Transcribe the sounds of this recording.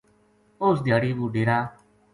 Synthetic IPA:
osd̪jaːɽiːbuːɖeːɾaː

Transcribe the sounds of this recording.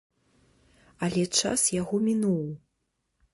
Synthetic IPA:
ɐlʲɛt͡ʂa̰sjaɣɔmʲinuwˠ

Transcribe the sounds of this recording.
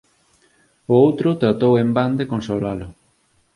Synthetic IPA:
ʊowt̪ɾʊt̪ɾat̪owemband̪ekõnsolalʊ

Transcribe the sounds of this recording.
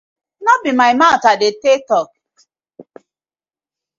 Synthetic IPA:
nɔbimaɪmatadɪtetɔk

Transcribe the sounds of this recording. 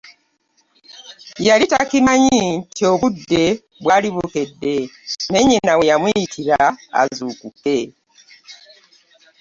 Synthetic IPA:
jalitakimaɲintioβudːe̞ | βwaliβuke̞dːemeɲinawejamwitʰiɾaa̰zukuke

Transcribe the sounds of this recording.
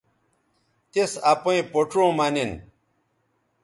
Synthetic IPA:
t̪esɐpoĩpoʈ͡ʂõːmɐnin

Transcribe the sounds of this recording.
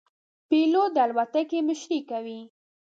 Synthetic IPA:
pelod̪əalwat̪akemɪʃɾikawi

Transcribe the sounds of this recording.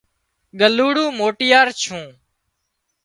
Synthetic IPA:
ɠəluːɽũːmoːʈɪjaːɾt͡ʃʰũː

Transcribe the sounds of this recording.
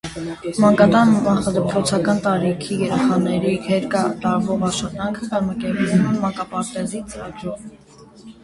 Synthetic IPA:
mɑŋkɑt̪ɑnmɑχɑd̪əpʰɾɔt͡sʰɑkɑnt̪ɑɾikʰijɛɾɛχɑnɛɾihɛɾkɑt̪ɑɾvɔʁɑɾʃχɑt̪ɑŋkʰəkɑzmɑkɛɾpunumɛmɑkɑpɑɾt̪ɛzit͡səɾɑɡɾɔʁ

